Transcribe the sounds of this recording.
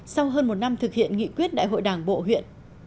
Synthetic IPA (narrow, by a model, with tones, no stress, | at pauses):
sa˧wɦəː˧nmo˨˩t̚na˧mt̪ʰɨ˨˩k̚hḭ˧˨ənŋḭ˧˨kwi˦˥ət̚ɗa̰ː˧˨jɦo̰˧˨jɗaː˨˩ŋɓo̰˧˨ɦwḭ˧˨ən